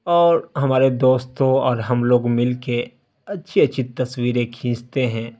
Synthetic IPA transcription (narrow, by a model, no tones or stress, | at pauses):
ɔːɾɦɐmaːɾed̪oːst̪õɔːɾɦɐmloːɡmɪlke | ɐtːʃʰiɐtːʃʰit̪ɐswiːɾẽkʰĩːst̪eɦɛ̃ː